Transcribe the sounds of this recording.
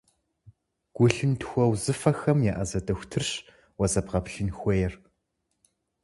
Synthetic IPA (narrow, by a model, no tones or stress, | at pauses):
ɡ̥ʷʊɬɨntxʷɔwzɨfɐxɐmjaːʔɐzɐdɐxʷtʰɨrɕ | wɐzɐbʁɐpɬɨnxʷɔjɛr